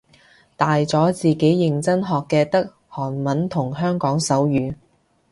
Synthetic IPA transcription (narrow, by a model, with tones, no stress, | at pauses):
t̪aː˨jt͡sɔː˨˥t͡siː˨ke˨˥jːɪ˨˩ŋt͡sɐ˥nɦɔː˨kːɛː˧t̪ɐ˥k̚ | hɔː˨˩nmɐ˨˥nt̪ʰʊ˨˩ŋɦœː˥ŋkɔː˨˥ŋsɐ˨˥wjyː˨˥